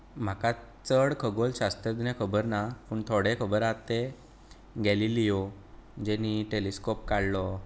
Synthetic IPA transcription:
m̤akat͡səɽkʰəɡolɕast̪əd̪inẽkʰəbəɾnapuːɳt̪ʰoɽekʰəbəɾat̪e | ɡɛlilijo | d͡ʑɛniʈeliskop̚kaɽlɔ

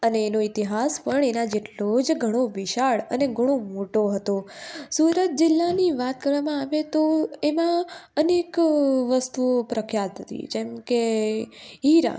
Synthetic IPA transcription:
əneːnoit̪iɦaspəɳenãd͡ʒeʈlod͡ʒɡʱəɽ̃oʋɪʃaɭə̰neɡʱəɽ̃omoʈoɦət̪osuɾət̪̚d͡ʒɪlːaniʋat̪̚kəɾʋamãaʋet̪oemãənekʋəst̪uopɾəkʰjat̪ɦət̪ḭd͡ʒɛmke | ɦiɾa̰

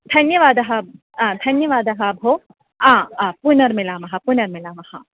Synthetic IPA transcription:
d̪̥ʰʱɐnjɐʋaːd̪ɐɦɐ̃ | d̪ʱɐnjɐʋaːd̪ɐɦɐbʱoː | ãːpunɐɾmilaːmɐɦɐpunɐɾmilaːmɐhɐ

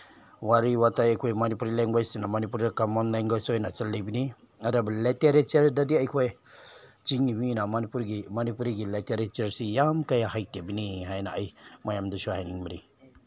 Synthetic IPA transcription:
waɾiwatajajkʰɔjmanipuɾilaŋbajsinamanip̬uɾdakamanlajŋɡajsɔjnat͡ʃalːibini | adabaleteɾet͡ʃaɾdadiajkʰɔj | t͡ʃiŋiminamanipuɾɡimanipuɾiɡileteɾet͡ʃaɾsijamkajaɦajtebiniɦajnaːjmajamdusɔɦajniŋmiɾḭ

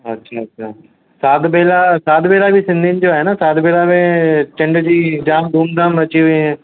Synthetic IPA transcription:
ɐtːʃʰaɐtːʃʰaː | saːd̪beːlasaːd̪beːlabʱisɪ̃nd̪ʱinɪ̆d͡ʑoaːɦenasaːd̪beːlabẽt͡ɕɐ̃ɳɖd͡ʑiːd͡ʑaːmd̪ʱuːmd̪ãːmʋɐt͡ɕiʋɐ̃

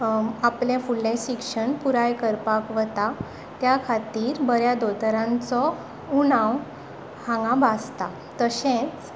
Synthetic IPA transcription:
aplẽfulːẽɕikʂəɳpuɾajkəɾpakʋət̪a | t̪jakʰat̪iːɾbəɾjad̪ot̪ɾãnt͡sɔ | unãw | hãŋɡãbast̪a | t̪əɕẽt͡s

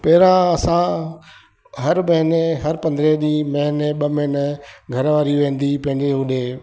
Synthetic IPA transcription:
pɐɦɾãɐsã | ɦɐɾmɐɦɪneɦɐɾpɐ̃nd̪ɾeɗiːmɐɦɪneɓɐmɪnəɡʱɐɾʋaːɾiʋẽːn̆d̪ipɐ̃ɦɪ̃ɲd͡ʑeɦʊɗeː

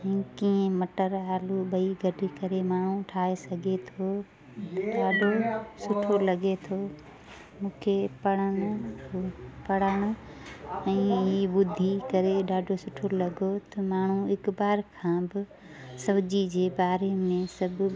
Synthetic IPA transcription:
ɛ̃kiẽmɐʈəɾaːluɓɐiɡʱɐɖʱikɐɾemaːɳ̤ũʈʰaːesɐɡʱet̪ʰoː | ɗaːɖʱosʊʈʰolɐɡet̪ʰoː | mũːkʰepɐɽənʊ | pɐɽaːɽ̃o | ɛ̃ːiɓʊd̪ʱikɐɾeɗaːɖʱosʊʈʰolɐɡot̪ɐmaːɳ̤uɪkbaːɾkʰãːbɪ | sɐbd͡ʑid͡ʑeːbaːɾemẽsɐbʱ

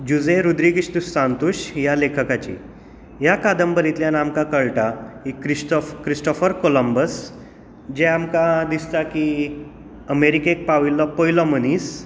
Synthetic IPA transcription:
d͡ʑud͡zẽɾud̪ɾiɡiɕt̪ussant̪uɕjalekʰəkat͡ɕḭ | ɦjakad̪əmbəɾit̪ljanamkãkəɭʈaɦikɾisʈɔfkɾisʈɔfəɾkoləmbəs | d͡ʑɛ̃amkad̪ist̪aki | əmeɾikek̚paʋilːɔpojlɔmənis

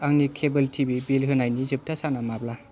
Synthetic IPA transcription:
aŋnikʰebɯltʰibibilɦɯnajnizɯp̚tʰasanamabla

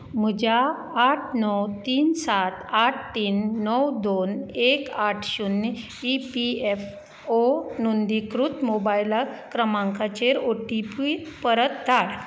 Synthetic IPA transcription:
m̤ud͡ʑaː | ʈʰnɔwt̪iːnsat̪ʰaʈʰt̪iːnːɔwd̪onekaʈʰɕunː | ipief | onund̪ikɾut̪mobajlakɾəmãŋkʰat͡ɕeɾoʈipiipəɾət̪̚d̪ʱaɽ

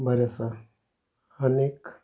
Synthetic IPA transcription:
bʱəɾasa | əneːk

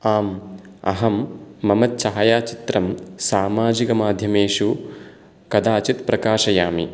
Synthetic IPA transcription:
aːm | ɐ̰ɦɐmːɐmɐt̪t͡ʃɐɦɐjaːt͡ʃit̪ɾɐmsaːmaːd͡ʒikɐmaːd̪ʱjɐmeːʃu | kɐd̪aːt͡ʃit̪pɾɐkaːʃɐjaːmḭ

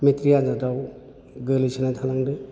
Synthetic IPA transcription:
metɾianzadaw | ɡɯlisinatʰalaŋdɯ

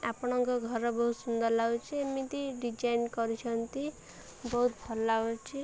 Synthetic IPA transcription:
apɔɽ̃ɔŋkɔɡʱɔɾɔbɔɦut̪sund̪ɔɾlaut͡ʃʰiemit̪iɖid͡ʒajnkɔɾit͡ʃʰɔnt̪i | bɔɦut̪pʰɔlaut͡ʃʰi

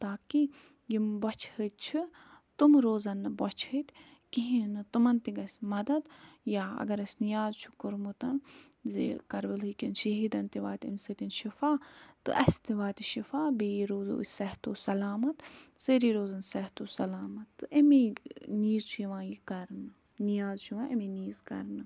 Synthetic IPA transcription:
t̪aːki | jimbɐt͡ʃʰhət̪̚t͡ʃʰu | t̪umɾoːzɐnːɨbɐt͡ʃʰət̪kiɦinɨt̪umɐnt̪iɡɐsʲmɐd̪ɐd̪jaːɐ̰ɡɐɾɐsʲnijaːzt͡ʃʰu̥kuɾmut̪ɐn | zḛkɐɾbɨlɦɨkʲinʃɐɦiːd̪ɐnt̪iʋaːt̪ʲḭmsɐt̪inʃifaːt̪ːɨ̰ʔɐ̰st̪iʋaːt̪iʃifaːbiɾoːzṵsɐɦt̪oːsɐlaːmɐt̪seɾiːɾoːzɐnsɐht̪osɐlaːmɐt̪ːɨʔemeniːzt͡ʃʰujiʋãːjikɐɾnɨ | nijaːzt͡ʃʰuʋaʔemeniːzkɐ̰ɾnɨ

